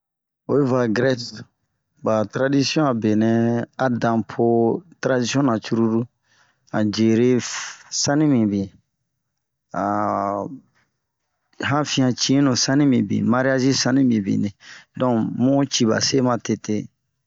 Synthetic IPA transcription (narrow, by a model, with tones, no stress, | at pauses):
o˦e˦va˨ɡɾɛ˦t | ba˨tɾa˦di˦si˦ɔ̃˦a˨be˨nɛ̃˦a˨dã˨pʰo˦tɾa˦di˦sjɔ̃˦nã˨t͡ʃu˦ɾu˦ɾu˦ | ã˨d͡ʒe˨ɾe˦sã˦nĩ˦mĩ˨bĩ˨ | a˨ | ɦã˦fĩ˦ã˨t͡ʃĩ˦nũ˨sã˦nĩ˦mĩ˨bḭ̃˨ma˦ɾi˦a˦ʒi˦sã˦nĩ˦mbĩ˨bḭ̃˨nĩ˨dɔ̃˦mũ˦t͡ʃi˨ba̰˨se˦mã˨te˨te˦